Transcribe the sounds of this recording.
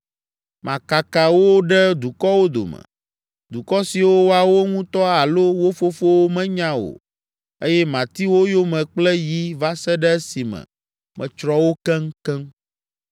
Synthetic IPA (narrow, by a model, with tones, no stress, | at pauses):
mʔã˨ka˨ka˨wo˦ɖɛ˦d̪u˨kɔ˦wo˦d̪o̰˨mɛ̰̃˨ | d̪u˨kɔ˦si˨wo˦wo˦a˨wo˦ŋũ˦t̪ɔ˦a˨lo˦wo˦fo˦fo˦wo˦mɛ̃˦ɲã˦wo̰˨ | e˦jɛ˦mã˨t̪i˦wo˦jo˦mɛ̃˨k͡plɛ˦ji˦va˦sɛ˦ɖɛ˦si˨mɛ̰̃˨ | mʔɛ̰̃˨t͡ʃɾɔ˦wo˦kɛ˦ŋ˦kɛ˦ŋ